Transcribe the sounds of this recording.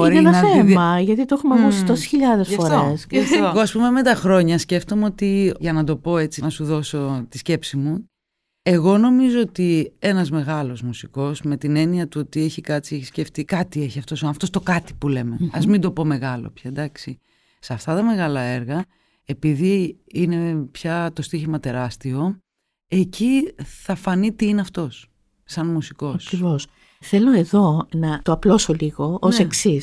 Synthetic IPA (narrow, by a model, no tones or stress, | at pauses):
oɾienɐnemɐʝɐt̪it̪oexumɐkusit̪ose̥sçiʎɐðesɐfoɾoesɐoɣoɐspume̞me̞t̪ɐxɾo̞ɲɐsce̞ft̪o̞meot̪iʝɐnɐd̪o̞po̞e̞t͡sinɐsuðo̞so̞t̪i̥sce̞psimu | e̞ɣo̞no̞mizoot̪ie̞nɐzme̞ɣɐlo̞zmusiko̞sme̞t̪ine̞niɐt̪uot̪ie̞çikɐt͡sieçi̥sce̞ft̪ikɐt̪ie̞çiɐft̪osɐnɐft̪ost̪o̞kɐt̪i̥pule̞meɐzmind̪o̞po̞me̞ɣɐlo̰pçɐd̪ɐksi | sɐft̪ɐt̪ɐme̞ɣɐlɐe̞ɾɣɐ | e̞piði | ine̞pçɐt̪o̞st̪içimɐt̪e̞ɾɐst̪io̞ | e̞ciθɐfɐnit̪iineɐft̪o̞s | sɐnmusiko̞ɐskɾivos | θe̞lo̞e̞ðo̞nɐt̪oɐplosoliɣo̞oseksis